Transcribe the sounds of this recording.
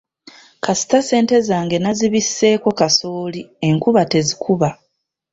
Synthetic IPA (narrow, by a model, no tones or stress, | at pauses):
kasi̥tase̞ːnte̞zaːŋɡe̞naziβisːe̞ːko̞kaso̞ːlie̞ŋkuβate̞zikʰuβa